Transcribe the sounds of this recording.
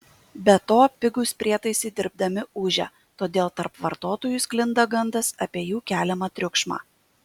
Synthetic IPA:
bʲɛt̪oːpʲɪɡʊspʲɾʲiɛt̪ɐɪsʲɪd̪ʲɪɾb̚d̪ɐmʲɪʔʊːʒʲɛ̰ | t̪oːd̪ʲeːlˠt̪ɐɾpʋɐɾt̪oːt̪oːjʊsklʲɪnd̪ɐɡɐnd̪ɐsɐpʲiɛjuːkʲæːlʲɛmɐt̪ʲɾʲʊkʃmɑ̰ː

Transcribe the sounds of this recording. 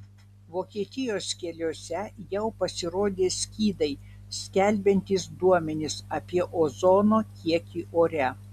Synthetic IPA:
ʋoːkʲiɛt̪ʲɪjoːskʲɛlʲoːsʲɛjɛʊpɐsʲɪɾoːd̪ʲeːsʲkʲiːd̪ɐɪsʲkʲɛlʲbʲɛnʲt̪ʲisd̪uɔmʲɛnʲɪsɐpʲiɛʔoːzɔnoːkʲiɛkʲiːʔoːɾʲɛ

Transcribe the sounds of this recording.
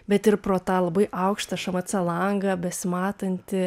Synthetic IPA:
bʲɛt̪ɪɾpɾoːt̪ɑːlˠɐbɐɪʔɐʊkʃt̪ɐʃɐmɐt͡sʲɛlˠɐŋɡɐbʲɛsʲmɑːt̪ɐnʲt̪ʲɪ

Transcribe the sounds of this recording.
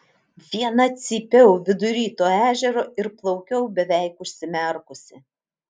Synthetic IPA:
ʋʲiɛnɐt̪sʲiːpʲɛʊʋʲɪd̪ʊɾʲiːt̪oːæːʒʲɛɾoːɪɾplˠɒʊkʲɛʊbʲɛʋʲɛɪkʊʃʲsʲɪmʲɛɾkʊsʲɪ

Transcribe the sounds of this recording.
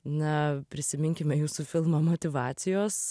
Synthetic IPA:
nɐpʲɾʲɪsʲɪmʲɪŋʲkʲɪmʲɛjuːsuːfʲɪlˠmɐmot̪ʲɪʋɑːt̪sʲɪjoːs

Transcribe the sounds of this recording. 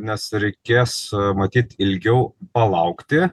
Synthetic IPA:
nʲɛsɾʲɛɪkʲeːsmɐt̪ʲiːt̪ɪlʲɡʲɛʊpɐlˠɐʊkt̪ʲɪ

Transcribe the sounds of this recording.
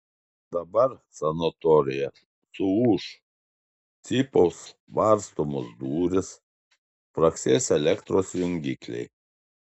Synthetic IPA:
d̪ɐbɐɾsɐnot̪ɔɾʲɪjɛ | sʊuːʃ | t̪sʲiːpoʊs | ʋɐɾst̪oːmʊsd̪uːɾʲɪs | pɾɐksʲeːsʲɛlʲɛkt̪ɾoːsjʲɪŋʲɡʲiːklʲɛ̰ɪ

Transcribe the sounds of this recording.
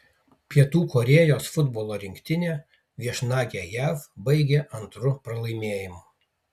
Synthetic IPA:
pʲiɛt̪uːkɔɾʲeːjoːsfʊd̪boːlˠoːɾʲɪŋʲkʲt̪ʲɪnʲe | ʋʲiɛʃnɑːɡʲejæːfbɐɪɡʲeʔɐnt̪ɾʊpɾɐlˠɐɪmʲeːjɪmʊ

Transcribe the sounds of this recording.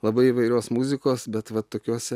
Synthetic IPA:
lˠɐbɐɪiʋɐɪɾʲoːsmuzʲɪkoːsbʲɛt̪ʋɐt̪ːoːkʲoːsʲɛ

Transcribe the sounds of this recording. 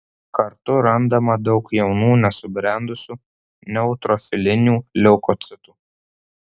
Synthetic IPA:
kɐɾt̪ʊɾɐnd̪ɐmɐd̪ɒʊkjɛʊnuːnʲɛsʊbʲɾʲæˑnd̪ʊsʲuː | nʲɛʊt̪ɾɔfʲɪlʲɪnʲuːlʲɛʊkɔt̪sʲɪt̪uː

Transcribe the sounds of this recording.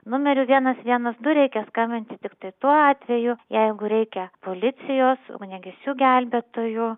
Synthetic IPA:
nʊmʲɛɾʲʊʋʲiɛnɐsʋʲiɛnɐsd̪ʊɾʲɛɪkʲɛskɐmʲbʲɪnʲt̪ʲɪt̪ʲɪkt̪ɐɪt̪uɔɑːt̪ʲʋʲɛjʊjɛɪɡʊɾʲɛɪkʲɛpoːlʲɪt̪t͡ssʲɪjoːsnʲɛɡʲɛsʲuːɡʲælʲbʲeːt̪oːjʊ

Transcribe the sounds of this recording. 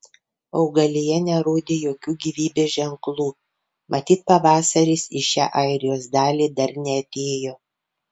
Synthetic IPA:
ɒʊɡɐlʲejɛnʲɛɾoːd̪ʲeːjoːkʲuːɡʲiːʋʲiːbʲeːʒʲɛŋklˠuː | mɐt̪ʲiːt̪̚pɐʋɑːsɐɾʲiːsɪʃʲæ̰ːʔɐɪɾʲɪjoːsd̪ɑːlʲiːd̪ɐɾnʲɛɐt̪ʲeːjoː

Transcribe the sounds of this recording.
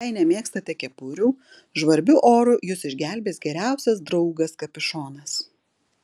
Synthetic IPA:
ɐɪnʲɛmʲeːkst̪ɐt̪ʲɛkʲɛpʊɾʲuː | ʒʋɐɾʲbʲʊʔoːɾʊjʊsɪʒʲɡʲæˑlʲbʲeːsɡʲɛɾʲæˑʊsʲɛsd̪ɾɐʊɡɐskɐpʲɪʃoːnɐs

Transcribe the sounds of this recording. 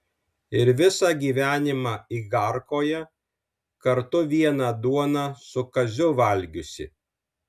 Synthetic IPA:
ɪɾʋʲɪsɑːɡʲiːʋʲæːnʲɪmɑːiːɡɑɾkoːjɛ | kɐɾt̪ʊʋʲiɛnɑd̪uɔnɑsʊkɐzʲʊʋɐlʲɡʲʊsʲɪ̰

